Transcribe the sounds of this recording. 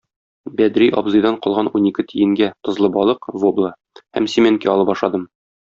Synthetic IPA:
bæd̪ɾiʔɒ̰bzɤ̆jd̪ɑɴqɒlˠʁɑnunikɘt̪ʰijɘ̆ŋɡæt̪ɤ̆zlˠɤbɒlˠɤqvoblˠɑ | hæ̰msʲimʲeŋkʲiɒlˠɤbɒʃlˠɑd̪ɤm

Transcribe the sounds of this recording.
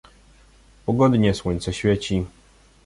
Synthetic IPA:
pɔɡɔd̪ɲɛswɔɲʲt̪sɛɕfʲjɛt͡ɕi

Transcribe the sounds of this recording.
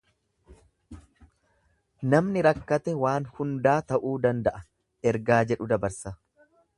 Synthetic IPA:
nɐmnɪɾɐkːɐt̪ɛwaːnhʊnd̪aːt̪ɐʔuːd̪ɐnd̪ɐʔɐ | ɛɾɡaːd͡ʒɛᶑʊd̪ɐbɐɾsɐ

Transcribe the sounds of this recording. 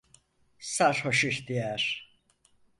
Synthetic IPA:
saɾhoʃuçd̪ijæɾ̥

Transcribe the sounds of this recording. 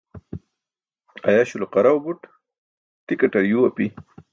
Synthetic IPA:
a̰jaɕuloqaɾawbuʈ | t̪ikaʈaɾjuwapi

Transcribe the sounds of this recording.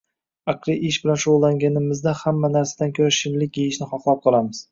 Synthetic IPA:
aqlˠiʔɪʃbɪlanʃolˠːaŋɡʲanɪmɪzd̪ahamːanaɾsad̪ankʲʰɵɾaʃɪnlɪkʲjejɪʃnɪχɒqlˠɒp̚qʰɑlˠamɪz̥

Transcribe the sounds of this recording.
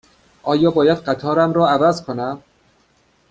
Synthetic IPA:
ʔɒːjɒːbɒːjæd̪ɢæt̪ʰɒːɾæmɾɒːævæzkʰonæm

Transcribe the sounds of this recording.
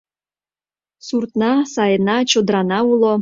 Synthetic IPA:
surt̪nɑsɑjənɑt͡ɕod̪ɾɑnɑulo

